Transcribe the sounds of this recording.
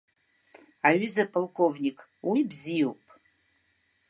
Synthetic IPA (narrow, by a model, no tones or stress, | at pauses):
aɥɪzapʼalˠkʰʼo̞vnʲikʼ | wibzijowpʼ